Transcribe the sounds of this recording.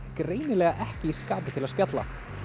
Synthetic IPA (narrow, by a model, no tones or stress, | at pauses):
kɾeːjnɪlɛːɣaʔɛhcɪiskaːpɪt̪ʰɪlaðspjat̪la̰